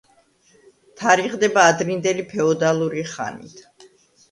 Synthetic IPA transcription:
t̪ʰaɾiʁd̪ɛbaːd̪ɾind̪ɛlipʰɛɔd̪alˠuɾiχa̰nḭt̪ʰ

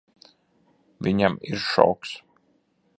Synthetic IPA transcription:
vʲiɲamiɾʃɔ̰wks

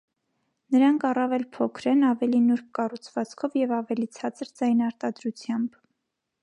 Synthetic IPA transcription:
nəɾɑŋkʰɑrɑvɛlpʰɔkʰɾɛnɑvɛlinuɾkkɑrut͡sʰvɑt͡skʰɔvjɛvɑvɛlit͡sʰɑt͡səɾd͡zɑjnɑɾt̪ɑd̪ɾut͡sʰjɑmb

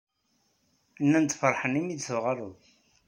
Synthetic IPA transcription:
nːænt̪fəɾˤħənimid̪θəvʁɑɾˤuθ

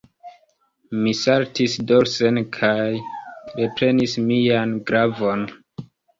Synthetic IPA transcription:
misaɾtisdoɾsenkʰajɾe̞pɾe̞nismianɡɾavo̞n

